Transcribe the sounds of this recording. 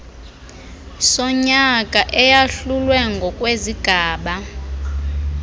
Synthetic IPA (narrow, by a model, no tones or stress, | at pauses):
sɔɲakʼaʔɛjaɬulwɛŋɡʱɔkʼweziɡ̥ʱaːɓa